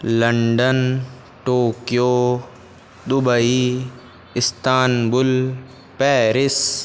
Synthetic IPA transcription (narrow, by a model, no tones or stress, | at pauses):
lɐɳɖən | ʈoːkijoː | d̪ʊbəi | ɪst̪aːnbʊl | pɛːɾɪs